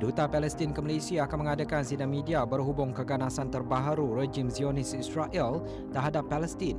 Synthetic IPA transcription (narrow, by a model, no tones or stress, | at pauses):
dut̪apalɛst̪ɪnkəməlesiaːkanməŋadakansidaŋmĩdiabərɦubʊŋkəɡanasant̪ərbaɦaɾured͡ʒɪmsionɪsisraʔɛl | t̪ərɦadapːalɛst̪in